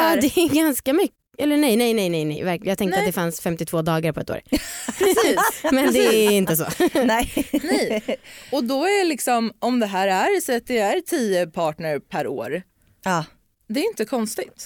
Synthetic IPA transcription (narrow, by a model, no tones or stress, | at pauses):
ɑːɛæɡanskamʏk | ɛlːənɛjnɛjnɛjnɛjnɛ̰jvæɾkjɑːɡt̪ɛ̃ŋkt̪ɾat̪d̪ɛfansfɛmt̪ɪt̪voːd̪ɑːɡaɾpʰɔɛt̪ːo̰ːɾː | smɛnd̪ɛæɪnt̪əso̰ːnɛnɛjɔd̪ɔæɖɛlɪksɔmɔmd̪ɛɦæːɾæɾsɛt̪̚d̪ɛæɾt̪ʰiːəpʰɑːʈɳəɾpʰæɾo̰ːɾ | ɑː | d̪ɛːɾjʏnt̪əkʰɔnst̪ɪt̪